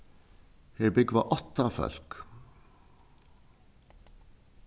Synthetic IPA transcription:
heɹbʏɡʋa̰ʔɔt̪ːafœ̰lk

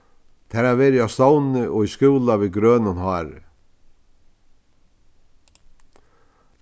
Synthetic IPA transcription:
t̪ʰɛːɾavʋeːɾɪawst̪ownɪʔɔiskɪwlaviðɡɾœːnanhɑːɾɪ̰

